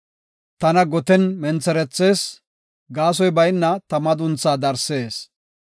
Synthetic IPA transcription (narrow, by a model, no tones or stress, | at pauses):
t̪ɐnɐɡɔt̪ɛnmɛnt͡sɛɾɛt͡sːe̞ːs | ɡaːs̬ɔjbɐjnːɐt̪ɐmɐd̪ʊnt͡sːaːd̪ɐɾse̞ːs